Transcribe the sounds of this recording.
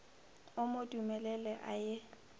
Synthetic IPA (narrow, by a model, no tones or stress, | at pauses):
ʊmodʼumɛlɛlɛʔaje